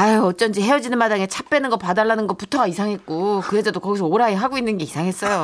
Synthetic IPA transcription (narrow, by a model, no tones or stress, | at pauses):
aʌt͡ɕ͈ʌnd͡ʑʰiɦeʌd͡ʑinɯnmadaŋet͡ɕʰap͈enɯnɡʌpadaɭːanɯnɡʌputʰʌɡaisʰaŋɦe̞t̚k͈okɯɦe̞d͡ʑadokʌɡisʰʌoɾaiɦaɡoinːɯnɡe̞isʰaŋɦe̞s͈ʌjo